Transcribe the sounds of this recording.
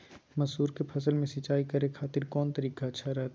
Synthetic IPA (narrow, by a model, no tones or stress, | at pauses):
mɐzɦuːɾkepʰɐsəlmẽsɪt͡ʃaːikɐɾekʰaːt̪ɪɾkɔːnt̪ɐɾiːkaɐtːʃʰaɾɐɦt̪ː